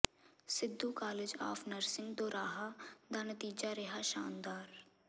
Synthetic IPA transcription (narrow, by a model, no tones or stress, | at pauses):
sɪd̪ːuːkaːlɪd͡ʒa̰ːfnəɾsɪ̃ŋɡd̪oːɾaːɦad̪aːnət̪iːd͡ʒaːɾɪɦaːʃaːnd̪aːɾ